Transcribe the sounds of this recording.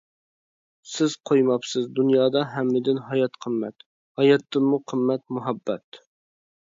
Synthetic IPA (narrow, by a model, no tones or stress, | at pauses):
sɪz̥qʰojmɑpsɨzd̪unjɑːd̪ɑɦæmːɪd̪ɪnɦɑjɑt̪qʰəmːɛ̰t̪ | hɑjɑt̪ːɨnmuqʰəmːɛt̪̚muɦɛbːɛ̰t̪